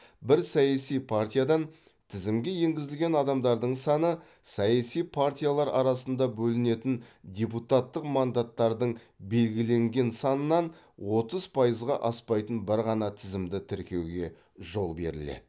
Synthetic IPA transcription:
bɪɾsɑjasijpʰart̪ʲijad̪ɑn | t̪ʰɪzɪmɡʲe̞je̞ŋɡʲɪzɪlɡʲe̞nɑd̪ɑmd̪ɑɾd̪əɴsɑnə | sɑjasijpʰart̪ʲijalˠɑɾɑ̰ɾɑsənd̪ɑbɵlɪne̞t̪ɪnd̪ʲe̞put̪at̪ːəqmɑnd̪at̪ːɑɾd̪əɴ | be̞lɡʲɪle̞ŋɡʲe̞nsɑnənːɑn | wo̞t̪əzpʰɑjəzʁɑʔɑspɑjt̪ənbɪɾʁɑnɑt̪ʰɪzɪmd̪ɪt̪ʰɪɾkʲe̞wɡʲe̞ | ʒo̞lˠbe̞̰ɾɪ̰lḛd̪ɪ

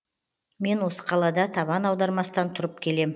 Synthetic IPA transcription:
me̞nwo̞sə̥qʰɑlˠɑd̪ɑt̪ʰɑβɑnɑwd̪ɑɾmɑsət̪ɑnt̪ʰʊɾəp̚kʲʰe̞le̞m

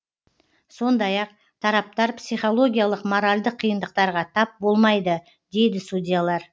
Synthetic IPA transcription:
so̞nd̪ɑjɑq | t̪ʰɑɾɑp̚t̪ɑɾpsijχo̞lˠo̞ɡʲijalˠəqmo̞ɾalʲd̪əqʰːijənd̪əq̚t̪ɑɾʁɑt̪ʰɑp̚bo̞lˠmɑjd̪ə | d̪e̞jd̪ɪst̪ud̪ʲijalˠɑɾ

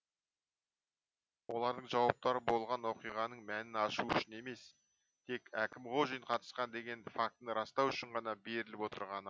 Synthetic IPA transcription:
wo̞lˠɑɾd̪əɴʒɑwɑp̚t̪ɑɾəbo̞lˠʁɑnwo̞qijʁɑnəɴmænɪnɑʃuʏ̰ʃɪne̞me̞s | t̪ʰe̞kækʲɪmʁo̞ʒijɴqʰɑt̪ə̥sqɑnd̪e̞ɡʲe̞nfak̚t̪nəɾɑst̪ɑwʏʃɪɴʁɑnɑbe̞ɾɪlɪpwo̞t̪ə̰ɾʁɑnə

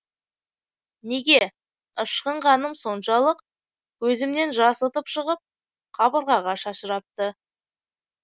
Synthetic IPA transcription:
neɡʲe̞ | əʃqəɴʁɑnəmso̞nʃɑlˠəq | wɵzɪmne̞nʒɑsət̪əpʃəʁəp̚ | χʰɑbəɾʁɑʁɑʃɑʃəɾɑp̚t̪ə

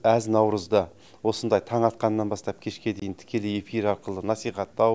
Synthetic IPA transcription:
æznɑwɾəzd̪ə | wo̞sənd̪ɑjt̪ʰɑɴɑt̪̚qɑnːɑnbɑst̪ɑpkʲʰe̞ʃkʲe̞d̪e̞jɪnt̪ʰɪ̥kʲe̞lɪje̞fiɾɑɾqəlˠənɑsijχɑt̪ːɑw

